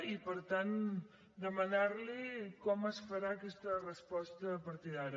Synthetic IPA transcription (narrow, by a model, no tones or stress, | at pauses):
ipəɾt̪an | d̪əmənaɾlikɔməsfəɾaəkɛst̪ərəspɔst̪əpəɾt̪iðaɾə